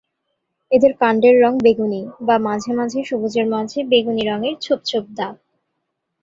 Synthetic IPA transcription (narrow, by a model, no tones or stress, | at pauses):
ed̪eɾkaɳɖeɾːɔŋbeɡunibamad͡ʑʱemad͡ʑʱeʃubud͡ʑeɾmad͡ʑʱebeɡuniɾɔŋeɾt͡ɕʰop̚t͡ɕʰob̚d̪a